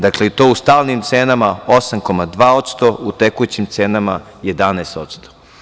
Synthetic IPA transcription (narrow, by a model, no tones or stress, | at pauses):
d̪akleit̪o̞ːust̪aːlnimt̪seːnamaosamko̞mad̪ʋaːo̞t̪st̪o̞ʔut̪ekujut͡ɕimt̪seːnama | je̞d̪aneːst̪ot̪st̪o̥